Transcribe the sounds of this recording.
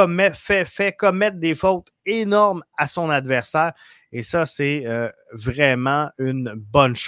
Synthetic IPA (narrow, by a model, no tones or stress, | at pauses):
mɛfɛfɛkɔmɛt̪̚d̪efɔt̪ | enɔʁmasɔ̃nad̪vɛʁsɛːʁ | esʌsɛø | vʁɛmɑ̃ynbɔnʃ